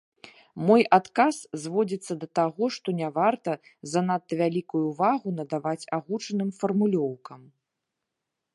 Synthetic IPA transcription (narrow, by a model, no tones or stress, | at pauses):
mɔjat̪kaszvɔd͡zʲit̪sːɐd̪ɐt̪aɣɔʂt̪ɔnʲavart̪ɐzɐnat̪ːɐvʲalʲikujuvaɣunɐd̪avat͡sʲaɣut͡ʂɐnɨmfɐrmulʲɔwkɐm